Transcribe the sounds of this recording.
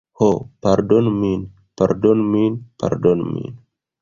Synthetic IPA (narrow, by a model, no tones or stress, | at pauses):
hopaɾdonmin | paɾdonminpa̰ɾdonmḭn